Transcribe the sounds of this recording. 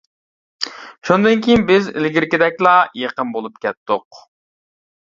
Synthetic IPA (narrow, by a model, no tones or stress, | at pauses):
ʃund̪ɨnkʲʰijinbɪzɪ̰lɡʲiɾkʲɪd̪ɛkʲlˠɑjeqənbolˠup̚kʲɛt̪ːʊq